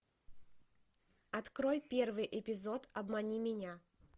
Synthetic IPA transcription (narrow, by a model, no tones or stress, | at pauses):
ɐt̪kɾojpʲervɨjʔɪpʲɪzo̞t̪ɐbmɐnʲimʲɪnʲa